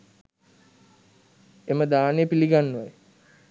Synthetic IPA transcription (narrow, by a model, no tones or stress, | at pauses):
eməd̪aːnejəpiliɡanːuʋaj